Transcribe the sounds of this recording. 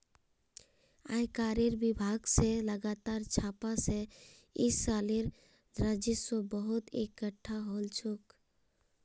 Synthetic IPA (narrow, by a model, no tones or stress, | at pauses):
a̰jkaːɾeɾbɪbʱaːɡseləɡaːt̪aːɾt͡ʃʰaːpase | ɪsaːleɾ | d̪ɾad͡ʒɪsobəɦʊt̪ekəʈʰːaɦoːlt͡ʃʰuk